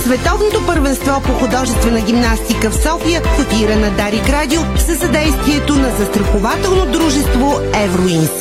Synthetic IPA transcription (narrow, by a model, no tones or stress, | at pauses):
svɛt̪ɔvnot̪opəɾvɛnst̪vɔpoxʊd̪ɔʒɛst̪vɛnəɡʲimnast̪ikəfsɔfijəkəfiɾənɐd̪aɾiɡɾad̪ʲilˠsəzɐd̪ɛjst̪viɛt̪onɐzɐst̪ɾɐxʊvat̪ɛlˠnod̪ɾuʒɛst̪voɛvɾoin